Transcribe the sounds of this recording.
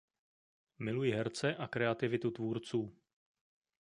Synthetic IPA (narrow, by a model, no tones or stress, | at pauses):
mɪlujɪɦɛɾt͡sɛʔakɾɛat̪ɪvɪt̪ut̪vuːɾt͡suː